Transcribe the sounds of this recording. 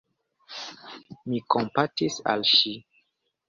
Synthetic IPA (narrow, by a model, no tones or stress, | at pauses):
mikompatisa̰lʃi